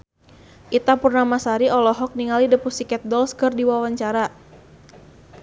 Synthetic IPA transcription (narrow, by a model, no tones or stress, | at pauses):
ʔit̪apurnamasaɾiɔlɔɦɔk̚niŋalidəpusikɛt̪̚dɔlskɨrdiwawaɲt͡ʃaɾa